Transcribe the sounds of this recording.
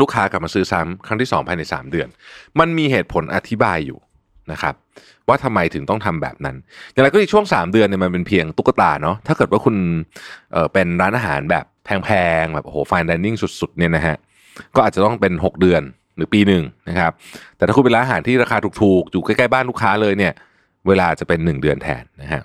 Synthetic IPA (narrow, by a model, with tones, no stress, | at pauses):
luː˥˩kʰaː˦˥kla˨˩p̚maː˧sɯː˦˥sa˦˥mkʰɾa˥˩ŋt̪ʰiː˥˩sɔ̰ː˩˦ŋpʰaː˧jna˧jsa̰ː˩˦mdɯ˧ənma˧nmiː˧ɦheː˨˩t̪̚pʰo˨˦nʔa̰˧t̪ʰi˦˥baː˧jːṵː˨˩ | na˦˥kʰa˦˥p̚ | waː˥˩t̪ʰa˧mːa˧jt̪ʰɯ˨˩˦ŋt̪ɔ˥˩ŋt̪ʰa˧mbɛ̰ː˨˩p̚na˦˥nja˨˩ŋɾa˧jkːi˨˩t͡ɕʰu˥˩əŋsaː˩˦mdɯ˧əni˥˩ma˧np̬e˧npʰi˧əŋt̪u˦˥kːa˧t̪a̰ː˧˩nɔ˦˥t̪ʰaː˥˩kɤː˨˩t̪̚waː˥˩kʰu˧nʔɤː˨˩pe˧nɾaː˦˥nʔaː˧˩ɦa̰ː˩˦nbɛ̰ː˨˩p̚pʰːɛː˧ŋpʰɛː˧ŋbɛː˨˩p̚ʔo˧hoː˩˦faː˧ndɛː˧nːi˥˩ŋsu˨˩t̪̚su˨˩t̪̚ni˥˩ɐna˦˥ɦa˦˥ʔ | kɔː˥˩aː˨˩t̪̚t͡ɕa˨˩t̪ɔ˥˩ŋpe˧nɦo˨˩k̚dɯ˧ən | ɾɯː˩˦˥piː˧nɯ˨˩ŋna˦˥kʰa˦˥p̚t̪ɛː˨˩t̪ʰa˥ku˧pe˧a˧ʔaː˧ɦaː˩˦nt̪ʰiː˥˩ɾa˧kʰaː˧uː˨˩t̪ʰuː˨˩k̚juː˨˩ka˥˩jka˥˩jbaː˥˩nluː˥˩kʰaː˦˥lɤː˧jni˥˩ɐ | weː˧laː˧˨˩t͡ɕa˨˩pe˧nːɯ˨˩ŋdɯ˧ənt̪ʰɛ̰ː˨˩nːa˦˥kʰa̰˦˥ʔ